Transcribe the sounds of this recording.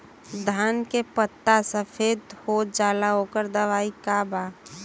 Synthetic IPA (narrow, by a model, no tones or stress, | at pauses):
d̪ʱaːnkepət̪ːasəpʰed̪hod͡ʒaːlaɦoːkəɾd̪əʋaːikaba